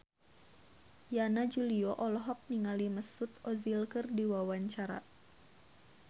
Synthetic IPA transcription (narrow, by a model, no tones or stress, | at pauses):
janad͡ʒuliɔʔɔlɔɦɔk̚niŋaliməsut̪̚ɔzilkɨrdiwawaɲt͡ʃaɾa̰